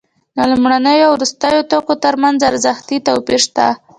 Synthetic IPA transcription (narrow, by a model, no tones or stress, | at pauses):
d̪əlumɽanəjoawɾust̪əjot̪okot̪əɾmanzaɾzaxt̪it̪awpiɾʃt̪a̰